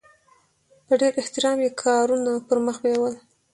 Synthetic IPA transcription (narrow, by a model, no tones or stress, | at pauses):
pəɖeɾɪht̪ɪɾɑmjekʰɑɾunapəɾməxbewəl